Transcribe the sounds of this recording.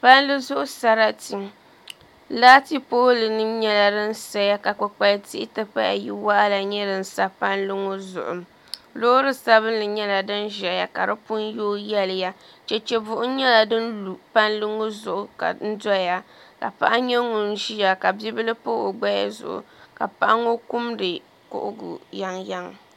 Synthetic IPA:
pa˦nlɨ˦zʊ˦ʔʊ˦sa˦ɾa˦ti˨ | laː˦ti˦poː˦lɨ˨nɨ˦mɲɛ˦la˨dɨ˦n̩˦sa˦ja˦ka˨k͡pʊ˨k͡pa˦lti˦ɪ˦tɨ˦pa˦ja̰˨ji˦wa˦la˨ɲɛ˦dɨ˨n̩˦sa˦pa˦nlɨ˦ŋo˦zʊ̰˨ʔʊ̰˨m | loː˦ɾɨ˦sa˦βɨ˦n˦lɨ˨ɲɛ˦la˨dɨ˦nʒɛ˨ja˨ka˨ɾɨ˦pʊ˦njoː˦jɛ˦lɪ˨ja˦ | t͡ʃɛ˦t͡ʃɛ˦bʊ˨ʔʊ˦ɲɛ˦la˨dɨ˦nlu˨pa˦nlɨ˦ŋo˦zʊ˨ʔʊ˨ka̰˨n̩˦da˦ja˦ | ka̰˨pa̰˦ʔa˦ɲɛ˦ŋʊ˨n˦ʒi˦ja˨ka˨bi˦bɨ˦lɨ˦po˦o˨ɡ͡ba˦ja˦zʊ̰˨ʔʊ̰˨ka˨pa˦ʔa˦ŋo˦ku˦mdɨ˨ | kʊ̰˦˨ʔʊ̰˦ɡṵ˨ja˦ŋja˦ŋ˨

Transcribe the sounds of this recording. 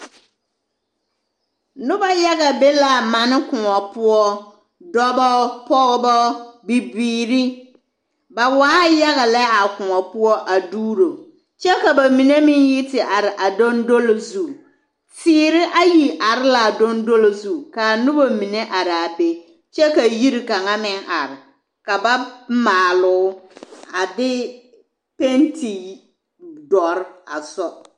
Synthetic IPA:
nʊ˦ba˦ja˦ɣa˨be˦la˨mã˨nɪ˦kʊ˨ŋɔ˨pʊ˦ɔ˦ | dɔ˦bɔ˦pɔ˦ɣɪ˦bɔ˦bi˨biː˨ɾi˦ | ba˨waː˦ja˦ɣa˨lɛ˦a˨kʊ˨ŋɔ˨pʊ˦ɔ˦ʔa˨duː˦ɾo˨ | t͡ʃɛ˦ka˨ba˨mĩ˨ne˦mɪ̃˨nji˦tɪ˨ʔa˨ɾɪ˨ʔa˨do˦ndo˦lo˨zu˦˨ | tiː˦ɾɪ˦ʔa˦ji˨ʔa˨ɾɪ˦la˨do˦ndo˦lo˨zu˦˨ka˨nʊ˦bo˦mi˨ne˦ʔa˨ɾɪ˨a˨be˦ | t͡ʃɛ˦ka˨ji˦ɾi˨ka˨ŋa˦mɪ˦ŋa˨ɾɪ˨ | ka˨ba˦maː˨lʊ˨˦a˨dɪ˦ | pe˦nti˨ | dɔ˨ɾɪ˦a̰˨sɔ˦

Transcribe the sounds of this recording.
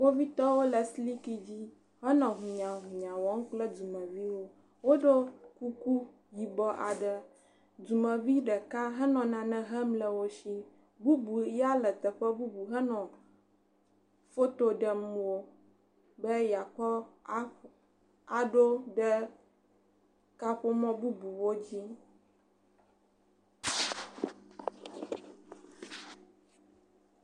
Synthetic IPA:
wo˦vi˦t̪ɔ˦wo˦lə˨sli˦ki˦d͡ʑi˦ | ɦɛ˦nɔ̃˨ɦu˨ɲã˨ɦũ˨ɲã˨wɔ˨˦ŋ̩̃˦k͡plɛ˦du˨mɛ̃˨vi˦wo˦ | wo˦ɖo˦ku˦ku˦ | ji˨bɔ˦ʔa˨ɖə˦ | du˨mɛ̃˨vi˦ɖə˨ka˦ɦɛ˦nɔ̃˨nã˨nɛ̃˦ɦɛ˦mlə˨wo˦ʃi˦ | bu˦bu˨˦ja˦lə˨t̪ə˨ɸə˦bu˦bu˨ɦɛ˦nɔ̃˨ | fo˦t̪o˦ɖɛ˨mũ˨wo˨ | bɛ˦ja˨kɔ˦ | a˨ɖo˦ɖɛ˦ | ka˦ɸo˦mɔ̃˦bu˦bu˨wo˦d͡ʑi˦

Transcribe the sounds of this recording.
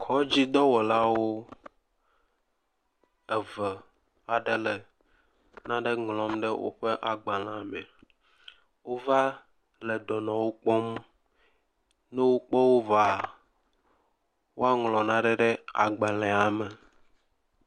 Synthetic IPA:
kʰɔ˦d͡ʑi˦d̪ɔ˦wo˨la˦wo˦ | ɛ˨və˨ | a˨ɖe˦le˨ | nã˦ɖe˦ŋlɔ̃˨˦mɖə˦wʔo̰˦ɸe˦ʔa˨ɡ͡ba˨lã˨mɛ̰˨ | wo˦va˦ | lɛ˨d̪ɔ˨nɔ̃˨wo˦k͡pɔ˦m | nɛ˦wo˦k͡pe˦wo˦va˨ | wo˦a˦ŋlɔ̃˨nã˦ɖɛ˦ɖe˦a̰˨ɡ͡ba˨lɛ̃˨a˨mɛ˨

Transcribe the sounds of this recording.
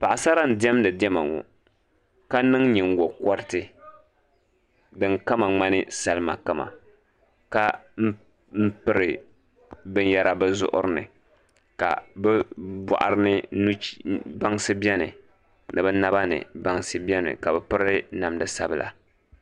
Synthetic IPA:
pa˨ʔa˨sa˦ɾa˦n̩˨di˦ɛ˦mdɨ˨dɛ˦ma̰˨ŋṵ˨ | ka˦nɨ˦ŋɲi˨ŋ˦ɡɔ˨kɔ˦ɾɪ˦tɨ˨ | dɨ˨ŋka˦ma˨ŋ͡ma˦nɨ˦sa˦lɨ˦ma̰˨ka˨ma̰˨ | ka˦m̩˦ | m̩˦pɨ˦ɾɨ˨ | bɨ˦n˦ja˦ɾʔa˦bɨ˦zʊ̰˦ʔʊ̰˦ɾɨ˦nɨ̰˨ | ka̰˨bɛ˦ba̰˨ʔa̰˨ɾɨ˦nɨ˦nu˦ba˦ŋsɨ˦bɛ˦nɨ˨ | nɨ˨bɛ˦na˦ba˦nɨ̰˨ba˦ŋsɨ˦bi˦ɛ˦nɨ̰˨ka˨bɛ˨pɨ˦ɾɨ˦na˨mdɨ˨sa˦bɨ˦˨la̰˨

